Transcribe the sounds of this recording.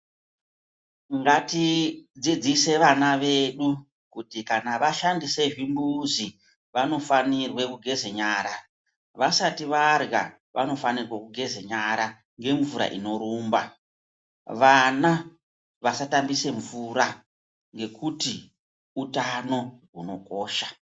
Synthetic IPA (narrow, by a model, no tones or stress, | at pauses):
ŋɡatid͡zid͡zise̞ʋanaʋe̞ɗu | kutikanaʋaʃandise̞ʐimbuzi | ʋano̞fanirwe̞kuɡʱe̞zeɲaːɾa | ʋasatiʋarɡa̰ | ʋʔano̞fanirwekuɡʱe̞ze̞ɲaɾa | ŋɡe̞ɱvuɾa̰ʔino̞ɾuːmba | ʋana | ʋasatambise̞ɱvuɾa | ŋɡe̞kuti | utano̞ɦuno̞koːʃa